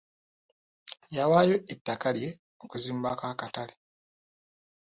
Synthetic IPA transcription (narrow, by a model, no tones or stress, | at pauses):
jawajo̞etːakalje̞ | okuziːmbakaːkatale